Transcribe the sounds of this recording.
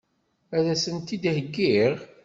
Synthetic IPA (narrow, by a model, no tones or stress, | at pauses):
æðæsənt̪id̪həɡːiʁ